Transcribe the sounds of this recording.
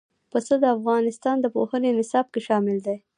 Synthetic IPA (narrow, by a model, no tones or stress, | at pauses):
pəsəd̪əafɣɑnɪst̪ɑnd̪əpohənenɪsɑb̚keʃɑmɪld̪aj